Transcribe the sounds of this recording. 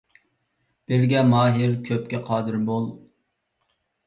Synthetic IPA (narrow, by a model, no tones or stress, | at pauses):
b̥ɪɾɡʲɛmɑːɦɪɾkʲʰøpkʲɛqʰɑːd̪ɨɾbolˠ